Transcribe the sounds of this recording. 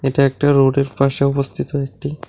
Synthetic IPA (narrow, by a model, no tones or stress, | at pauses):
eʈaek̚ʈaɾoɖeɾpaʃeɔpost̪ʰit̪oek̚ʈi